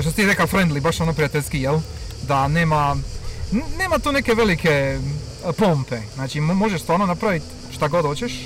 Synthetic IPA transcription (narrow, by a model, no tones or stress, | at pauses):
t̪ost̪iɾekafɾend̪libaʃonopɾijat̪eʎʲskijel | d̪aneːma | neːmat̪uːne̞keʋe̞like | pompeznaːt͡ʃimmoʒeʃst̪ʋaːɾnonapɾaʋit̪ | ʃt̪aɡod̪ot͡ɕeʃ